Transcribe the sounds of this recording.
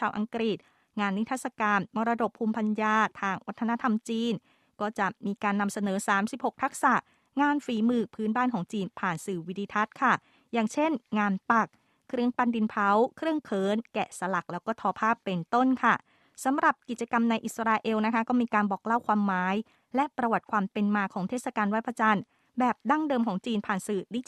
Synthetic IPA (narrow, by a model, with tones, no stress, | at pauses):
t͡ɕʰaː˧wʔa˧ŋkɾi˨˩t̪̚ | ŋaː˧nːi˦˥t̪ʰaː˥t̪̚sa˧kaː˧nmɔ˧ɾa˧do˨˩pʰːuː˧mpʰa˧njaː˧t̪ʰaː˧ŋwa˦˥t̪ʰːa˧na˦˥t̪ʰa˧mt͡ɕiː˧n | kɔː˥˩t͡ɕa˨˩ʔmiː˧kaː˧nːa˧msa˧nɤː˩˦saː˩˦msi˨˩p̚ho˨˩k̚t̪ʰa˦˥k̚sa˨˩ʔ | ŋaː˧nfiː˨˩˦mɯː˧˩k̚pʰɯː˦˥nbaː˥˩nkʰɔː˩˦ŋt͡ɕiː˧npʰaː˨˩nsɯː˨˩wi˦d̪ʰiː˧t̪ʰa˦˥t̪̚kʰa˥˩ | jaː˨˩ŋt͡ɕʰe˥˩nŋaː˧npa˨˩k̚ʰː | ɾɯ˧˥əŋpa˧ndi˧npʰa˨˦˥wkʰɾɯ˥˩əŋkʰɤː˨˦nkɛː˨˩sa˧la˨˩k̚lɛː˦˥wkɔː˥˩t̪ʰɔː˧pʰaː˥˩pːe˧nt̪o˥˩nkʰa˥˩ | sa˨˦mɾa˨˩p̚ki˨˩t̪̚t͡ɕa˧ka˧mna˧jʔi˨˩t̪sa˧ɾaː˧ʔe˧wna˦˥kʰa˦˥kɔː˥˩miː˧kaː˧nbɔː˨˩k̚la˥˩wkʰwaː˧mːaː˨˦˥j | lɛ˦˥ʔpɾa˧wa˨˩t̪̚kʰwaː˧mpe˧nmaː˧kʰɔː˩˦ŋt̪ʰeː˥˩t̚sa˧kaː˧nwaː˦˥˩pʰa˧t͡ɕa˧n | bɛː˨˩p̚da˥˩ŋdɤː˧mkʰɔː˩˦ŋt͡ɕiː˧npʰaː˨˩nsɯː˨˩di˦˥